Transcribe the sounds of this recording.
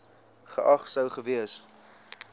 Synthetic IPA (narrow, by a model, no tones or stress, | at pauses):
χəʔɐχsəwχəviəs